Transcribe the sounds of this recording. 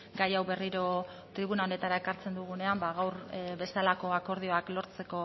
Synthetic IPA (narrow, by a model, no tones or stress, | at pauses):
ɡajawβe̞riɾo̞ | t̪ɾiβ̞unao̞ne̞t̪aɾae̞kaɾt͡se̞nd̪uɣ̞une̞ambaɣawɾbe̞st̪alako̞ako̞ɾð̞io̞aklo̞ɾt͡se̞ko̞